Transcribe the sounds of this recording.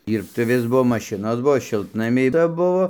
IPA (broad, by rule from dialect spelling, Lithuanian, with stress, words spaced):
ˈɪr tɐɪ ˈʋʲɪs ˈbuɔ mɐˈʃʲɪnoːs ˈbuɔ ˈʃʲɪlˠtnɐmʲɛɪ ˈt͡sɐ ˈbʊʋoː